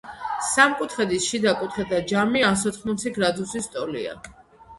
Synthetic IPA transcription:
samkʼut̪ʰχɛd̪isʃid̪akʼut̪ʰχɛd̪ad͡ʒamiasɔt̪χmɔt̪sʰiɡɾad̪usist̪ʼɔlḭa̰

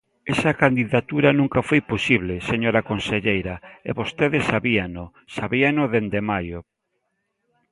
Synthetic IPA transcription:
esɐkand̪iðat̪uɾanũŋkafojposiβleseɲoɾakonseʎejɾaḛβost̪eðesaβiano | saβianoðend̪emajo

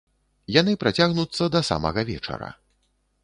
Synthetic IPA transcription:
jan̪ɨpɾat͡sʲaɣnut̪sːɐd̪ɐsa̰mɐ̰ɣɐvʲɛ̰t͡ʂɐ̰ɾɐ̰

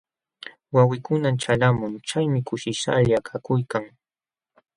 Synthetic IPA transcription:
wawɪkʊnat͡ʃalamʊŋt͡ʃajmɪkʊʃɪʃa̰ʎakʰakʊjkaŋ

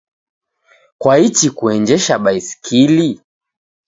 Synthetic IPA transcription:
kwait͡ʃikuɛɲd͡ʒɛʃaɓaisi̥kʰili

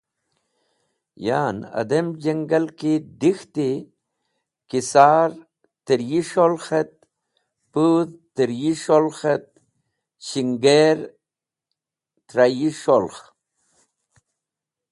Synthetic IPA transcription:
jaːnɐ̰d̪ɐmd͡ʑɐŋɡɐlkid̪ixt̪i | kisaːɾ | t̪əɾjiʂolxet̪̚ | puðt̪əɾjiʂolxet̪̚ | ɕiŋɡeɾ | t̪ɾajiʂolx

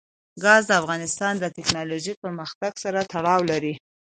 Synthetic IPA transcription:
ɡɑzd̪əafɣɑnɪst̪ɑnd̪ət̪ɪknɑloʒipəɾməxt̪aɡsaɾat̪aɽɑwlaɾi

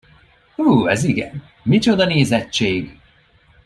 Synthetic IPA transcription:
huːɛziɡɛ̰n | mit͡ʃo̞d̪ɒneːzɛt͡ʃːeːɡ

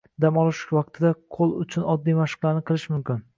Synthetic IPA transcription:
d̪amɒlˠɪʃvɑq̚t̪ʰɪd̪aqʰolˠʊt͡ʃʰʊnɒd̪ːijmaʃɪ̥qlˠaɾnɪqʰɨlˠɪʃmʊmkʲɪn

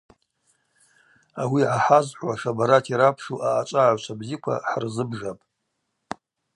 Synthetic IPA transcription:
awiʕaħazħʷwaʂabaɾatʰiɾapʰʂuʔaːt͡ʃʷʼaʕʷt͡ʃʷʰabzikʷʰa̰ħrzɨbʐapʼ

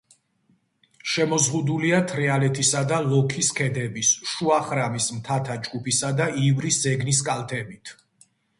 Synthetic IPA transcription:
ʃɛmɔzʁud̪uliat̪ʰɾɛalɛt̪ʰisad̪alɔkʰiskʰɛd̪ɛbisʃuaχɾamismt̪ʰat̪ʰad͡ʒɡupʰisad̪aʔivɾiszɛɡnis̬kʼalˠt̪ʰɛbit̪ʰ

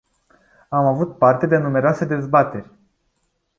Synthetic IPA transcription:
amavut̪̚part̪e̞d̪e̞nume̞ɾoase̞d̪e̞zbat̪e̞rʲ

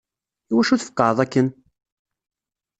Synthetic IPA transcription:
iwæʃuθəfə̥qːɑðˤækːən

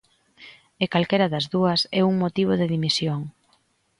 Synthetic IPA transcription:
ekalkeɾɐðɐzðuɐsɛuŋmot̪iβ̞oðɪðimisjoŋ

